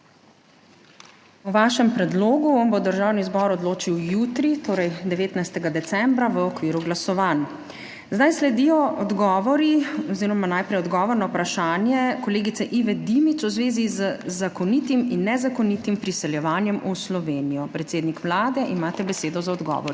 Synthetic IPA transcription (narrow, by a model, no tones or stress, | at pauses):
uʋaːʃɛmpɾɛd̪loːɡuɔnbod̪əɾʒawnizbɔɾɔd̪loːt͡ʃiwjuːt̪ɾit̪oːɾɛjd̪ɛʋeːt̪najst̪ɛɡad̪ɛt̪sɛmbɾaʋəɔkʋiːɾuɡlasɔʋan | zd̪ajslɛd̪ijɔɔd̪ɡɔːʋɔɾiɔziːɾɔmanajpɾɛjɔd̪ɡɔːʋɔɾnɔwpɾaʃaːnjɛkɔleːɡit̪sɛʔiʋɛd̪imit͡s̪wzʋeːzizəzakɔnit̪iminːɛzakɔnit̪impɾisɛljɛʋaːnjɛmuslɔʋeːnijɔpɾɛt̪seːd̪nikʋlaːd̪ɛʔimaːt̪ɛbɛseːd̪ɔzaɔd̪ɡɔ̰ʋɔɾi